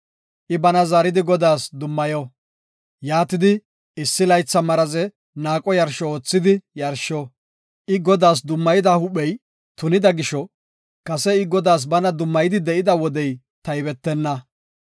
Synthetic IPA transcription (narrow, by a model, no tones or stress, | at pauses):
ʔɪbɐnɐzaɾɪd̪ɪɡɔd̪aːsd̪ʊmːɐjɔ | jaːt̪ɪd̪ɪ | ɪsːɪlɐjt͡sːɐmɐɾɐzɛ | naːkʼɔjɐɾʃɔoːt͡sːɪd̪ɪjɐɾʃɔ | ʔɪɡɔd̪aːs̬d̪ʊmːɐjɪd̪ɐhʊɓɛj | t̪ʊnɪd̪ɐɡɪʃɔ | kɐsɛɪɡɔd̪aːs̬bɐnɐd̪ʊmːɐjɪd̪ɪd̪ɛʔɪd̪ɐwɔd̪ɛj | t̪ɐjbɛt̪ːɛnːɐ